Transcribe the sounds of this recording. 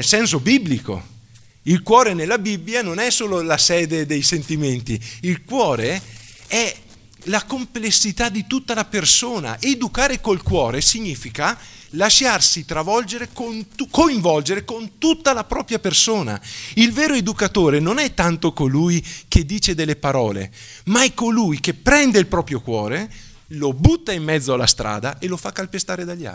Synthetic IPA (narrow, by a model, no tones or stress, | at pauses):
nelsɛns̬obibːliko̰ | ilkwɔːɾenelːabibːjanonɛsoːlolasɛːd̪ed̪ejsent̪iment̪iilkwɔːɾe | ɛ | lakomplesːit̪ad̪ːit̪ut̪ːalapersoːna̰ʔed̪ukaːɾekolkwɔːɾesiɲːiːfika | laʃarsit̪ɾavɔld͡ʒeɾekont̪ukoiɱvɔld͡ʒeɾekont̪ut̪ːalapɾɔːpɾjapersoːna̰ilveːɾoed̪ukat̪oːɾenonɛt̪ːant̪okolujk̟ʰed̪ːiːt͡ʃed̪elːepaɾɔ̰ːlḛ | maɛkolujk̟epːɾɛnd̪eilpɾɔːpɾjokwɔːɾe | lobut̪ːaimːɛd̪zːoalast̪ɾa̰ːd̪aʔelofakːalpest̪aːɾed̪aʎːa̰